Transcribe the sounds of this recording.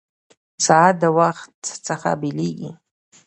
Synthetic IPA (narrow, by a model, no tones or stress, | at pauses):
saːdawaχtʰt͡sʰaχa̰bilikʲʼḭ